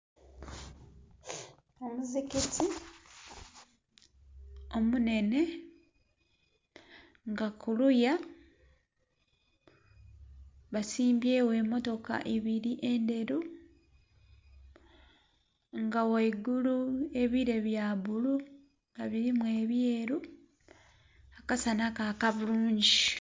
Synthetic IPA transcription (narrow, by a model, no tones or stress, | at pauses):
omuziketi | o̞mune̞ne̞ | ŋɡakuluja | βasiːmbje̞ːwe̞ːmo̞to̞ka̰ʔeβiɾiʔende̞ɾu | ŋɡawaiɡulue̞βiɾe̞βjaːβulu | ŋɡaβiɾimwe̞ːβjeːɾu | akasanakakaβuluːɲɟi